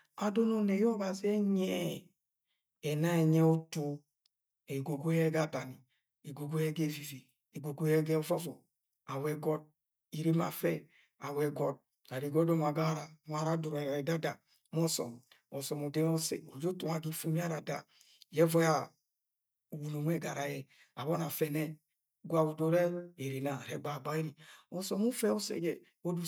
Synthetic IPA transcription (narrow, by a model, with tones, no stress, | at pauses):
a˨do˦no˨nɛ˨jɔ˦ɡa˨zi˦ɛ˦ɲɛ˦ | ɛ˨na˦ɛ˨ɲɛ˦o˦to˦ | e˨ɡo˨ɡo˦ɛ˦ɡa˦ba˨ni˨ | e˨ɡo˨ɡo˦jɛ˦ɡe˦˨vi˨vi˨ | e˨ɡo˨ɡo˦ɛ˦ɡɛ˦vɔ˦vɔ˨ | a˨wɛ˨ɡɔ˦d̚ | i˨ɾe˦ma̰˨fɛ˦ | a˨wɛ˨ɡɔ˦d̚ | a˨ɾi˨ɡɔ˦dɔ˦m˨a˨ɡa˦ɾa˨m˦a˦ɾa˦du˨ɾa˨ɛ˨da˦da˨ | m˦ɔ˦sɔ̰˨mɔ˨sɔ˨mo˨dɛ˦ɔ˦sḛ˨o˨d͡ʒo˦tu˨ŋa˨ɡi˦fu˦mi˦a˦ɾa˨da̰˨ | jɛ˦vɔ˦ja˦ | u˨wu˨no˨mʷ˦ɛ˦˨ɡa˨ɾa˨jɛ˨ | a˨βɔ˦na˨fɛ˨nɛ˦ | ɡʷa˨u˨do˨ɾɛ˦e˨ɾi˨na˨ɾɛ˦ɡ͡ba˨ba˦i˦ɾi˨ɔ˨sɔ˨mu˦fɛ˦ɔ˦sḛ˨jɛ˨ | o˦du˦